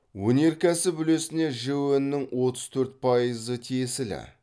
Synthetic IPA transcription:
wɵne̞ɾkʲæsɪbʏle̞sɪne̞ʒewenːɪŋwo̞t̪əz̥t̪ʰɵɾt̪̚pʰɑjəzət̪ʲʰesɪlɪ̰

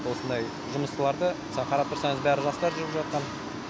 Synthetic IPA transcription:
wo̞sənd̪ɑj | ʒʊməst̪əlˠɑɾd̪ə | sɑqʰɑɾɑp̚t̪ʰʊɾsɑɴəzbæɾɪʒɑst̪ɑɾʒʏɾɪpʒɑt̪̚qɑn

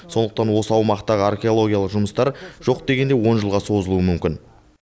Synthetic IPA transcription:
so̞nd̪əq̚t̪ɑnwo̞səɑwmɑqt̪ɑʁəarkʲe̞o̞lˠo̞ɡʲijalˠəqʒʊməst̪ɑɾʒ̥o̞qd̪e̞ɡʲe̞nd̪e̞wo̞nʒəlˠʁɑso̞zəlˠuəmʏmkʲɪn

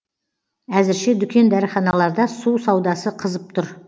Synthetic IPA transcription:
æzɪɾʃed̪ʏkʲe̞nd̪æɾəχɑnɑlˠɑɾd̪ɑsusɑwd̪ɑsəqʰəzəp̚t̪ʰʊɾ

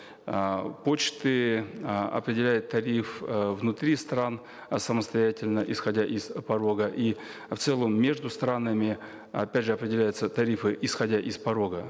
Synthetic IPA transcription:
po̞t͡ɕt̪ɨ | ɐ̰pɾʲɪdʲɪlʲæjɪt̪ːɐɾʲifvnʊt̪ɾʲist̪ran | səməst̪ɐjætʲɪlʲnəʔɪsxɐdʲæʔɪszpɐɾo̞ɡəʔi | ft̪sɛlˠəmːʲeʐd̪ʊst̪ɾanəmʲɪ | ɐ̰pʲædʲʐɨɐpɾʲɪdʲɪlʲæjʊt̪sət̪ɐɾʲifɨʔɪsxɐdʲaʔɪspɐɾo̞ɡə

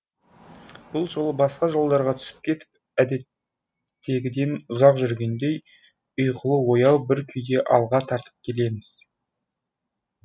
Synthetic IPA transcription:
b̥ʊlˠʒo̞lˠəbɑsqɑʒo̞lˠd̪ɑɾʁɑt̪ʰʏ̥sɪ̥p̚kʲʰe̞t̪ɪ̥p̚ | æd̪e̞t̪ː | e̞ɡʲɪd̪e̞nʊzɑqʒʏɾɡʲe̞nd̪e̞j | ʊjqəlˠəwo̞jɑwbɪɾkʲʰʏjd̪e̞ʔɑlˠʁɑt̪ʰɑɾt̪ə̥p̚kʲʰe̞le̞mɪz̥

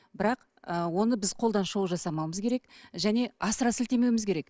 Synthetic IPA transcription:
bɪɾɑq | əwo̞nəbɪzqʰo̞lˠd̪ɑnʃo̞wˠʒɑsɑmɑwməzkʲʰe̞ɾe̞kʒæne̞ɑsəɾɑsɪlt̪e̞me̞wɪmɪzkʲʰe̞ɾek

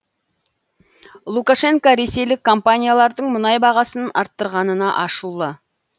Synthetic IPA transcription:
lˠukaʃe̞ŋkaɾe̞se̞jlɪkʰːo̞mpanʲijalˠɑɾd̪əɴmʊnɑjbɑʁɑsənɑɾt̪ːəɾʁɑnənɑʔɑʃulˠə

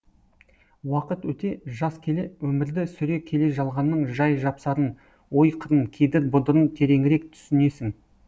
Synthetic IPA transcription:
wɑqət̪wɵt̪e̞ʒɑskʲʰe̞lewɵmɪɾd̪ɪsʏɾe̞kʲʰe̞le̞ʒɑlˠʁɑnːəɴʒɑjʒɑpsɑɾən | wo̞jqʰəɾənkʲʰejd̪ɪɾbʊd̪əɾənt̪ʰe̞ɾe̞ŋɪɾe̞kt̪ʰʏ̥sɪne̞sɪŋ

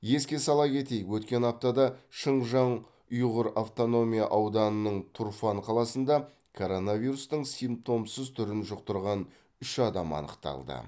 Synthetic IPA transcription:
je̞skʲe̞sɑlˠɑkʲʰe̞t̪e̞jɪkwɵt̪kʲe̞nɑp̚t̪ɑd̪ɑʃəɴʒɑɴ | ʊjʁəɾaft̪o̞no̞mʲijaʔɑwd̪ɑnənəɴt̪ʰurfɑɴqʰɑlˠɑsənd̪ɑ | kʰo̞ɾo̞navʲiɾust̪əɴsijmp̚t̪o̞msəzt̪ʰʏɾɪnʒʊqt̪əɾʁɑn | ʏʃɑd̪ɑmɑ̰nə̰qt̪ɑ̰lˠd̪ə̰

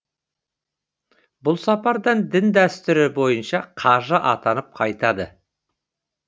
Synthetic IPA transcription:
bʊlˠsɑpɑɾd̪əɴd̪ɪnd̪æst̪ɪɾɪbo̞jənʃɑqʰɑʒəʔɑt̪ɑnəp̚qʰɑjt̪ɑd̪ə

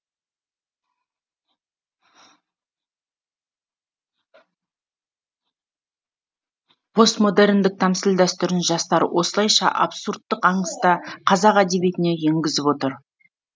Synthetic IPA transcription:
b̥ʰo̞smo̞d̪e̞ɾɪnd̪ɪk̚t̪ʰɑmsɪld̪æst̪ʏɾɪnʒɑst̪ɑɾə̰wʔo̞səlˠɑjʃɑ̰ʔɑ̰bsuɾt̪ːəqɑɴəst̪ɑqʰɑzɑqæd̪e̞βijt̪ɪne̞je̞ŋɡʲɪzɪpwo̞t̪əɾ

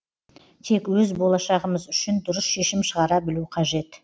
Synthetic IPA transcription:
t̪ʰe̞kwɵzbo̞lˠɑʃɑʁəməzʏʃɪnd̪ʊɾəsʃe̞ʃɪmʃəʁɑɾɑbɪluqʰɑʒe̞t̪

